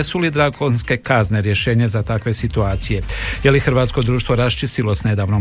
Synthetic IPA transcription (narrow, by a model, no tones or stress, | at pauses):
esulid̪ɾaɡonske̞kazneɾjeʃe̞ːɲezat̪akʋe̞sit̪uaːt̪sije̞jelixɾ̩ʋaːt̪sko̞d̪ɾuːʃt̪ʋo̞ɾast͡ʃist̪ilo̞sne̞d̪aːʋnom